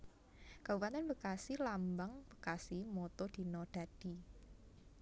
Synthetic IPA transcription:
kaupat̪anvəkasilambaŋv̥ə̥kasimɔt̪ɔd̪̥i̤nɔd̪̥a̤d̥i̤

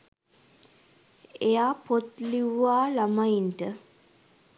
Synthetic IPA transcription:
ejaːpot̪liʋːaːlamainʈə

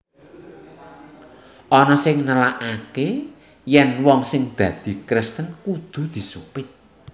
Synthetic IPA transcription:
ʔɔnɔsɪŋnəlaʔake | jɛnwɔŋsɪŋd̪̥ä̤d̪̥i̤kɾɪst̪ənkud̪̥ṳd̪̥i̤supɪt̪̚

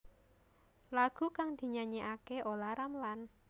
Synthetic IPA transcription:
laɡ̥ṳkaŋd̪̥i̤ɲaɲeʔakeʔolaɾamlan

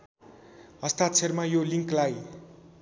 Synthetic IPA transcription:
ʌst̪at̪t͡sʰermajoliŋklaj

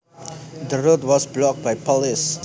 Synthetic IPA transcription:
d̪əɹot̚wɔsblɔk̚bajpʰɔlis

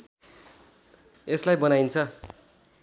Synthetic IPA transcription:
eslajbʌnaint͡sʰʌ

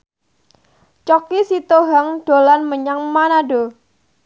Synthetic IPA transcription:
t͡ʃɔkisit̪oɦaŋɖ̥olanməɲaŋmanado

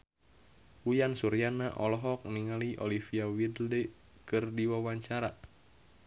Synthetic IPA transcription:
ujansuɾianaʔɔlɔɦɔk̚niŋaliʔo̰lifiawidldɛ | kɨrdiwawaɲt͡ʃaɾa

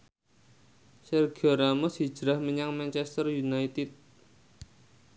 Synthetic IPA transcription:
sɛrɡɔɾamɔsi̥d͡ʒɾahməɲaŋmant͡ʃɛst̪ərjunajt̪ɪt̪̚

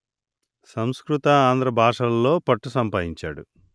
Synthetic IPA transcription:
sɐmskɾut̪ɐaːnd̪ɾɐbʱaːʂɐlɐlo̞ːpɐʈːusɐmpaːd̪iɲt͡ʃa̰ːɽu

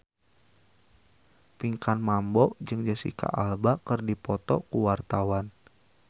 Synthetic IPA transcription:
piŋkanmambɔʔd͡ʒɨŋd͡ʒəsḭka̰ʔalbakərdipɔt̪ɔkuwart̪awan

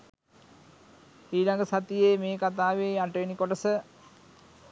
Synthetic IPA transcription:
hiːlɐŋɡɐsat̪ijeːmeːkat̪aːʋeaʈreːnikoʈɐsə

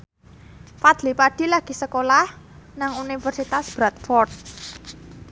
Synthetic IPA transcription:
fad̪̥lipaɖ̥i̤laɡ̥i̤səkolah | naŋunifərsit̪asb̥ɾat̪̚fɔrt̪̚

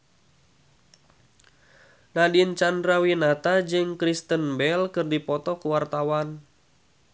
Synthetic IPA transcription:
nadint͡ʃandɾawinat̪ad͡ʒɨŋkɾist̪ənbɛlkɨrdipɔt̪ɔkuwart̪awan

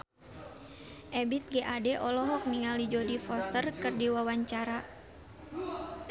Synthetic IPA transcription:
ʔɛbit̪̚ɡɛʔadɛʔɔlɔɦɔk̚niŋalid͡ʒodifɔst̪ərkɨrdiwawaɲt͡ʃaɾa

